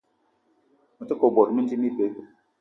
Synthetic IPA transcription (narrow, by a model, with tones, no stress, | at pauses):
mə˨tə˦ko˨bɔ˨ɾmi˦n˦ti˦mi˦be˦